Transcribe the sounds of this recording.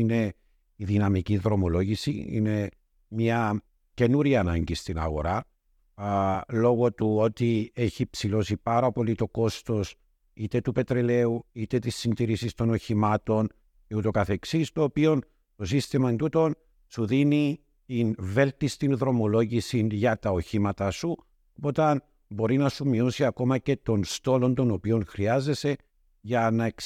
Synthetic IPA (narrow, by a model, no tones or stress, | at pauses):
ine̞ | iðinɐmiciðɾo̞mo̞lo̞ʝisḭḭne̞ | mɲɐ | ce̞nuɾiɐnɐɲɟist̪inɐ̰ɣo̞̰ɾɐ | lo̞ɣo̞t̪uo̞t̪ie̞çipsilo̞sipɐɾɐpo̞lit̪o̞ko̞st̪o̞s | it̪e̞t̪upe̞t̪ɾele̞uit̪e̞t̪isːind̪iɾisist̪o̞no̞çimɐt̪o̞n | eut̪o̞kɐθe̞ksist̪o̞ːpio̞n | t̪o̞sist̪imɐnt̪ut̪o̞n | suðini | t̪inve̞lt̪ist̪inðɾo̞mo̞lo̞ʝisinʝɐt̪ɐo̞çimɐt̪ɐsu | po̞t̪ɐn | bo̞ɾinɐsumio̞siɐko̞mɐce̞t̪o̞nst̪o̞lo̞nt̪o̞no̞pio̞nxɾiɐze̞se̞ | ʝɐnɐek